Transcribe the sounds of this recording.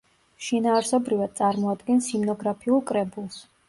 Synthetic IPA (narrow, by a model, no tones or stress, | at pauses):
ʃinaːɾsɔbɾivad̪̚t̪sʼaɾmɔad̪ɡɛnsimnɔɡɾapʰiulˠkʼɾɛbulˠs